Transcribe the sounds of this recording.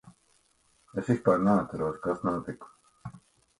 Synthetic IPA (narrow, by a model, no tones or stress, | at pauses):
esispaːɾneat̪saɾuːskasnaːt̪iku̥